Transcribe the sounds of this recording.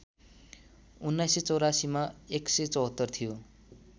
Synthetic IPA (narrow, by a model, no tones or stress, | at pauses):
unːajset͡sʌwɾasimaekset͡sʌwɦʌt̪ːʌrt̪ʰijo